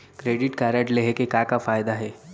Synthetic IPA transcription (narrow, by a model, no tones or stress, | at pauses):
kɾeːɖɪʈkaɾəʈleɦekekaːkafaːjd̪aɦɛː